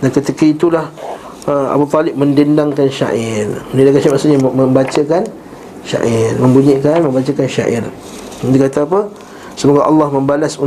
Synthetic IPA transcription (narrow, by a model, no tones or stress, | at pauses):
dankət̪ikəit̪ulah | əa̰but̪ɔlɪp̚məndindaŋkanʃa̰ʔɪrməndindakanʃaimasuʔɲaməmbat͡ʃakan | ʃa̰ʔɪrmə̃mbuɲikanmə̃mbat͡ʃakanʃa̰ʔɪ̰r | ud̪ikat̪aːpə | səmoɡaʔɑ̰lːɑhmə̃mbalasu